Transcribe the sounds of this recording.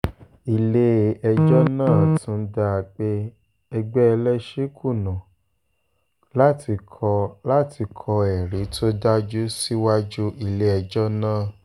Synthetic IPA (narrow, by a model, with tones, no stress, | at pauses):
i˨le˦˨ɛ˧d͡ʒɔ˦nãː˦˨tũ˨˦da˧˨k͡pe˦ | ɛ˧ɡ͡bɛ˦ɛ˧lɛ˦ʃi˦kʰu˦˨nã˨ | la˦tʰi˧kʰɔ˧la˦˨tʰi˧kʰɔ˧ɛ˨ɾi˨˦tʰo˦da˦d͡ʒu˦si˦wa˦d͡ʒu˦ʔi˧˨le˧˦ɛ˧d͡ʒɔ˦nãː˦˨